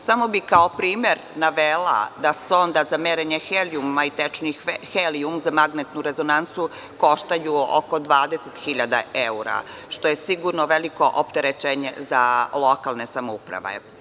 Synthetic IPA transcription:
samo̞bikaopɾiːmeɾ | naʋela̰d̪aseo̞nd̪azameɾeɲexelijumait̪et͡ʃnixeliumzamaɡnet̪nuɾe̞zonant̪su | ko̞ʃt̪ajuo̰kod̪ʋaːd̪eset̪xiʎad̪a̰euɾa̰ | ʃt̪ojesiɡuɾnoʋeliko̞ʔopt̪eɾet͡ʃeːɲḛzalˠokalˠnesamoupɾa̰ʋḛ

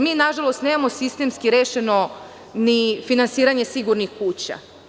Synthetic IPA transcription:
miːnaʒalˠo̞st̪neːmamo̞sist̪emskiɾeːʃeno̞ | nifinansiːɾaɲe̞siɡuɾnixkuːt͡ɕa̰

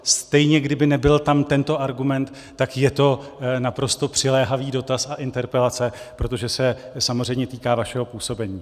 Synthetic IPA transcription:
st̪ɛjɲɛɡdɪbɪnɛbɪlt̪amt̪ɛnt̪o̞ʔaɾɡumɛnt̪ːakjɛt̪o̞napɾo̞st̪o̞pr̥ɪlɛːɦaviːdo̞t̪asaʔɪnt̪ɛɾpɛlat͡sɛpɾo̞t̪o̞ʒɛsɛsamozr̝ɛjmɲɛt̪iːkaːvaʃɛɦo̞puːso̞bɛɲiː

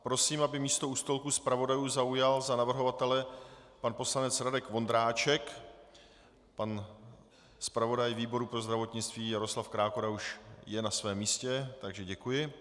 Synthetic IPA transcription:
pɾo̞siːmabɪmiːst̪o̞ust̪o̞lkuspɾavo̞dajuːzaujalzanavr̩ɦo̞vat̪ɛlɛpanpo̞slanɛt͡sɾadɛkvo̞nd̪ɾaːt͡ʃɛk | pan | spɾavo̞dajviːbo̞ɾupɾozd̪ɾavo̞t̪ɲɪt͡st̪viːjaɾo̞slafkɾaːkoɾauʃjɛnasvɛːmːiːscɛt̪aɡʒɛɟɛkujɪ

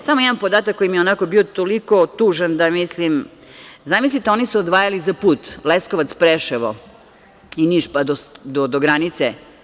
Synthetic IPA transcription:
samojɛd̪anpod̪aːt̪akːojimieonakobiot̪oliko̞t̪uːʒand̪amislim | zamislit̪eo̞nisuod̪ʋaːjalizapuːt̪leskoʋat̪spɾeʃɛʋo̰ | iniʃpad̪od̪od̪oɡɾanit̪se

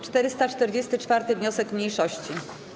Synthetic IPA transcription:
t͡ʂt̪ɛɾɘst̪at͡ʂt̪ɛɾd͡ʑest̪ɘt͡ʂfaɾt̪ɘvɲɔsɛkmɲejʂɔɕt͡ɕi

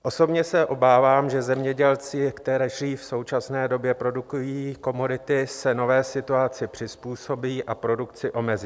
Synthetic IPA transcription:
ʔo̞so̞bɲɛsɛʔo̞baːvaːmʒɛzɛmɲɛɟɛlt͡sɪkt̪ɛɾɛʒriːfso̞wt͡ʃasnɛːdo̞bjɛpɾo̞dukujiːko̞modɪt̪ɪsɛno̞vɛːsɪt̪uat͡sɪpr̝̥ɪspuːso̞biːʔapɾo̞dukt͡sɪʔo̞mɛzi

